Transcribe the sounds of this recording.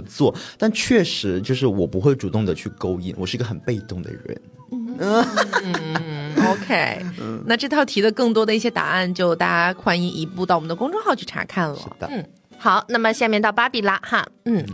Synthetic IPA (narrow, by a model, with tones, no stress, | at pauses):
t͡swɔ˥˩t̪a˥˧nt͡ɕʰɥɛ˥˩ʂɻ̩˧˥t͡ɕjo˥˧ʊʂ̬ɻ̩˥˩wɔ˨˩pu˧˥xwe˥˩ɪʈ͡ʂu˨˩t̪ʊ˥˩ŋd̪ə˩t͡ɕʰy˥˩ko˥ʊḭ˥nwɔ˨˩ʂɻ̩˥˩˧ɡə˧xə˨˩npe˥˧ɪt̪ʊ˥˩ŋd̪ə̰˩ɻə̰˧˥˦n̩˥˧ | o˧ʊkʰe˥ɪ˥˩na˥˧ʈ͡ʂɤ˥˧t̪ʰɑ˥˩ʊt̪ʰi˧˥d̪ə˧kɤ˥˩ŋt̪wɔ˥d̪ə˧i˥˩ɕjɛ˥t̪a̰˨˩˦a˥˧nt͡ɕjo˥˧ʊt̪a˥˩t͡ɕa˥kʰwa˥ni˧˥ŋʔi˧˥pu˥˧t̪ɑ˥˩ʊwɔ˨˩˦nd̪kʊ˥ŋʈ͡ʂʊ˥˧ŋxɑ˥˧ʊt͡ɕʰy˥˩ʈ͡ʂʰa̰˧˥kʰa˥˩nlə̰˧˩də˧n̩˥˩ | xɑ˨˩˦ʊna˥˩mə˨ɕja˥˧mjɛ˥˧nt̪ɑ˥˩ʊpa˥pi˨˩la˥xa˥˧n̩˥˩